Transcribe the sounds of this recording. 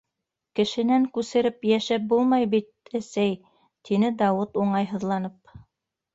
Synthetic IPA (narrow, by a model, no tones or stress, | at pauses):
kɘ̆ʃɘ̆næŋkʉsɘ̆ɾɘpjæʃæp̚bulˠmɑjbit̪̚æsæj | t̪inɘd̪ɑwɤt̪uɴɑjɦɤ̆ðlˠɑnɤp̚